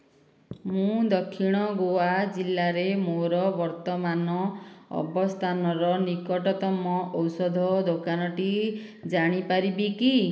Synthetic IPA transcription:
mũd̪ɔkʰːiɽ̃ɔɡoad͡ʒilːaɾemoɾɔbɔɾt̪ɔmanɔɔ̰bɔst̪ʰanɔɾɔnikɔʈɔt̪ɔmɔʔɔwsɔd̪ʱɔd̪okanɔʈi | d͡ʒaɽ̃ipaɾibiki

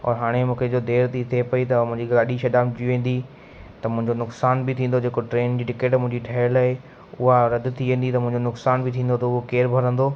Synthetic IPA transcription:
ɔ̰ːɾɦaːɽ̃emũːkʰed͡ʑod̪eːɾt̪it̪ʰepɐit̪ɐmʊ̃ɦɪ̃ɲd͡ʑiɡaːɗiʃɐɗaːmd͡ʑiʋẽːn̆d̪i | t̪ɐmʊ̃ɦɪ̃ɲd͡ʑonʊksaːnbɪt̪ʰĩːn̆d̪od͡ʑeːkoʈɾeːnd͡ʑiːʈɪkeːʈmʊ̃ɦɪ̃ɲd͡ʑiʈʰɐɦlaɦe | ʊɦaɾɐd̪ʊt̪ʰiʋẽːn̆d̪it̪ɐmʊ̃ɦɪ̃ɲd͡ʑonʊksaːnbɪt̪ʰĩːn̆d̪ot̪oʊɦokeːɾbʱɐɾə̃nd̪oː

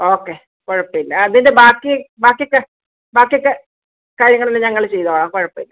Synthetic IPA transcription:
o̞ːkːe | ko̞ɻɐpːilːɐɐðinde̞baːkːibaːkːijokːe | baːkijokːe | kaːɾjɐŋːɐɭinːeɲɐŋːɐɭt͡ɕe̞jt̪oːɭaːmko̞ɻɐpːilːɐ

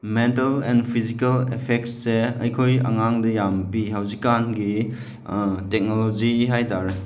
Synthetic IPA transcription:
mentalɛnpʰizikalepʰek̚tseɐjkʰojɐ̰ŋaŋdɐjampihawzikanɡi | tek̚nolod͡ʒiɦajtaɾe

